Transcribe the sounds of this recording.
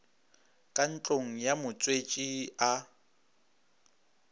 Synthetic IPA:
kʼan̩t͡ɬʼoŋ̩jamʊt͡sʼwet͡ʃʼia

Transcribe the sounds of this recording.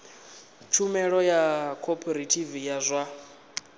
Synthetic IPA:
t͡ʃʰumɛɺɔjakʰɔpʰɔɾetʰivijazʷa

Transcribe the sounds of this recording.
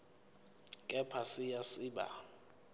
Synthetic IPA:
kʼɛpʰasɪjasiːɓa̰

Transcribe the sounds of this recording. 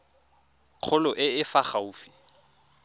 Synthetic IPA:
q͡χʰʊlʊʔɪɪfaχauːfi̥

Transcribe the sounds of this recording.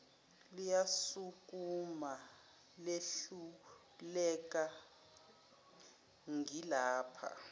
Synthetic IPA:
lijasuk̬ʼuma | leɬu | lɛk̬ʼa | ŋilaːpʰa̰

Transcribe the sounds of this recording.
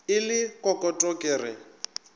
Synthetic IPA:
ɪlɪkʼɔkʼɔtʼɔkʼeːrɪ̰

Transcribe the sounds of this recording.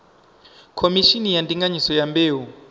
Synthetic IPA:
kʰomiʃinijantʼiŋɡaɲisɔjambeːwu

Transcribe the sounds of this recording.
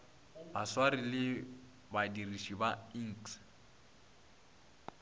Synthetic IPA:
baswarilɪ | badirisibaiŋ̩ks

